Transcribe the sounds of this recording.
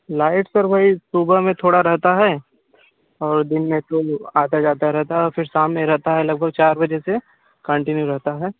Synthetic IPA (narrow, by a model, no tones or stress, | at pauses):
laːɪʈsɐɾbʱaisuːbəɦmẽt̪ʰoːɽaɾɛɦt̪aɦɛː | ɔːɾd̪ɪnmẽtoaːt̪ad͡ʒaːt̪aɾɛɦt̪aɦɛɔːɾfɪɾsaːmnẽɾɛɦt̪aɦɛlɐɡ̚bʱəɡt͡ʃaːɾbɐd͡ʒese | kə̃ɳʈɪnjuɾɐɦt̪aɦɛː